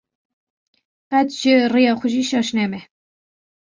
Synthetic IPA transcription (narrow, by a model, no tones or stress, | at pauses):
pæt̪ʒ̥ɪrijɑːxʷʊʒiːʃɑʃnɛmɛ